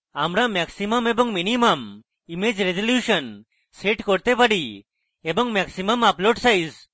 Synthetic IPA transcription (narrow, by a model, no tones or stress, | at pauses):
amɾamɛksimamebɔŋminimam | imed͡ʒɾed͡ʒɔljusɔn | seʈkɔɾt̪epaɽi | ebɔŋmɛksimamaploɖsajs